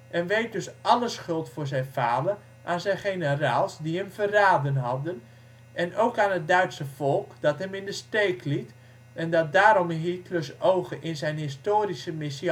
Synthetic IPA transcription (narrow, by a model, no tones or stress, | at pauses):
ʔɛnʋejt̚døsɔləsχʏlˠtfʊːrzɛjnfaːdər | ʔaːnzɛjnχenəraːlˠsdihəmfəraːdənɦɔdən | ʔɛnoːkaːnɦət̚dœɥtsəvɔlˠkd̥ɔtɦɛmɪndəsteːkʰlit | ɛndɔt̚daːɾɔmɦitʰløsowɣəʔɪnzɛjnɦɪstoːɾisəmɪs